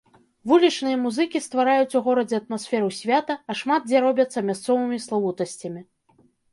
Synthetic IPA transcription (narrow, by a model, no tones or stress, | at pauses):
vulʲit͡ʂnɨjɐmuzɨkʲist̪vaɾajut͡sʲuɣɔɾɐd͡zʲɛɐt̪̚masfʲɛɾusʲvʲat̪ɐːʂmad̪̚d͡zʲɛɾɔbʲɐt̪sːɐmʲast̪sɔvɨmʲislˠavut̪ɐsʲt͡sʲɐmʲi